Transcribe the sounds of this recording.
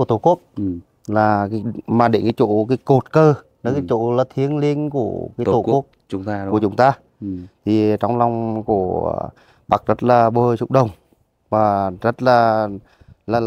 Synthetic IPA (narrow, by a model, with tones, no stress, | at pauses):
t̪o˧˩ku˦˥ək̚ | laː˨˩kːmaː˨˩ɗe˧˩nkaː˨˦jt͡ɕo˧˩kaː˨˦jko˨˩t̚kəː˧ | nə˨˦kaː˨˦jt͡ɕo˧˥laː˨˩t̪ʰi˨˧˦ənli˧ənku˧˩əkaː˨˦j̪o˧˩˦ək̚ŋ͡mt͡ɕʊ˨˦ŋ͡mt̪aː˧ | t̪ʰi˨˩t͡ɕɔ˧wŋ͡mla˨˧˩wŋ͡mku˧˩ə̰ | ɓa̰˨˧˩k̚zə˦˥t̚laː˨˩ɓəː˨˩t͡ɕʊ̰˧˥k͡p̚ɗə˨˩wŋ͡m | vaː˨˩zə˦˥t̚laː˨˩ | laː˨˩